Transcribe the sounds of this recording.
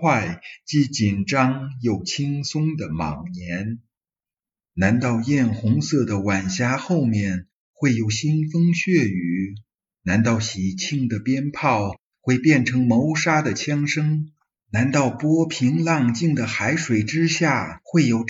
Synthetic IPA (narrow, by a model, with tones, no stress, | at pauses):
wa˥˩ɪt͡ɕi˧˥t͡ɕi˨˩nʈ͡ʂɑ˥ŋjo˨˩ʊt͡ɕʰi˥ŋsʊ˥ŋd̪ə˨mɑ̰˨˩ŋnjɛ˧˥n | na˧˥nt̪ɑ˥˧ʊjɛ˥˩nxʊ˧˥ŋsɤ˥˩d̪ə˩wa˨˩nɕja˧˥xo˥˧ʊmjɛ˥˩n | xwe˥˩ɪjo˨˩ʊɕi˥nfɤ˥ŋɕɥɛ˥˩y˧˩˥ | na˧˥nt̪ɑ˥˩ʊɕi˨˩t͡ɕʰi˥˩ŋd̪ə˨pjɛ˥npʰɑ˥˩˧ʊ | xwe˥˧ɪpjɛ˥˩nʈ͡ʂʰɤ˧˥ŋmo˧˥ʊʂa˥d̪ə˨t͡ɕʰjɑ˥ŋʂɤ˥ŋ | na˧˥nt̪ɑ˥˩ʊpwɔ˥pʰi˧˥ŋlɑ˥˧ŋt͡ɕi˥˩ŋd̪ə˩xa˧˥ɪʂwe˨˩ɪʈ͡ʂɻ̩˥ɕja˥˩xwe˥˩ɪjo˨˩ʊ